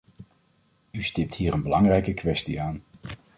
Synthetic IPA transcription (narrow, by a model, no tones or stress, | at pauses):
ystɪp̚tɦiːrənbəlɑŋrɛjkəkʋɛstiaːn